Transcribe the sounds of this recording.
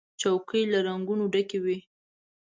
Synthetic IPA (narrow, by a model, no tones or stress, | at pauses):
t͡ʃawkəjlaɾaŋɡunoɖakewi